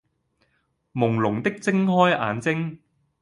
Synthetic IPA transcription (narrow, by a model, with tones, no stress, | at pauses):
mʊ˨˩ŋlʊ˨˩ŋt̪ɪ˥k̚t͡sɪ˥ŋɦɔː˥jʔa̰ː˨˧nt͡sɪ˥ŋ